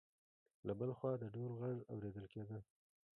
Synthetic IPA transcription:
labəlxwɑd̪əɖolɣaɽawɾed̪əlked̪ə

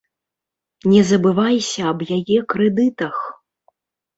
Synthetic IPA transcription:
nʲɛzɐbɨvajsʲɐːbjajɛkɾɛd̪ɨt̪ɐx

